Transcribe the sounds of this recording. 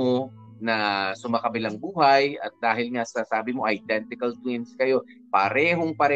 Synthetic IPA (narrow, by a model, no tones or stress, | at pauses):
o | nɐsʊmakɐbɪlaŋbuːhɐjɐ̰t̪̚d̪aːɦɪlŋasasaːbɪmo̞ʔɐjd̪ɛnt̪ɪkɐlt̪winskɐjo̞ | pɐɾɛːɦo̞ŋpɐɾɛ